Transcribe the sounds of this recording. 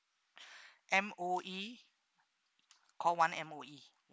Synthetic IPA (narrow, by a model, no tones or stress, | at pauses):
ʔɛ̃moʔi | kʰɔlwãnɛ̃moi